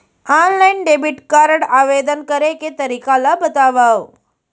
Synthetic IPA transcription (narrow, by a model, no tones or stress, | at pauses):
ɔnlainɖebiʈkaɾəɽaʋed̪ənkəɾeket̪əɾikalabət̪aʋaw